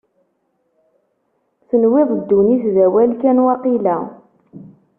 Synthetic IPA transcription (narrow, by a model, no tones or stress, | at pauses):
θənwɪðˤd̪ːuniθðæwælkænwɑqilæ